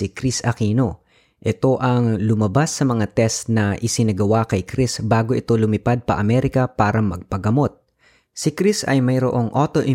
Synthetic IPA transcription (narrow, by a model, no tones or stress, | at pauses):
ikɾisɐkiːno̞ | ʔɛt̪o̞ʔɐŋlʊmɐbasːɐmɐŋat̪ɛst̪nɐʔɪsɪnɐɡɐwakɐjkɾisbaːɡoʔɪt̪o̞lʊmɪpad̪̚pɐ̰ʔɐmɛːɾɪkɐpaːɾɐmɐɡ̚pɐɡɐmo̞t̪̚ | sɪkɾisɐ̰jmɐjɾo̰ʔo̞ŋʔoːt̪o̞ʔɪ